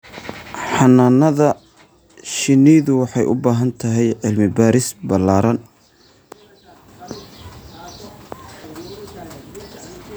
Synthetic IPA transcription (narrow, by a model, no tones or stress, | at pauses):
ħɑnaːnɐðɐ | ʃɪniːðʊwɑħɑjʔʊ̰baːɦɐnt̪ʰɐɦɛjʕɪlmɪbaːɾɪsbɐlaːɾɐn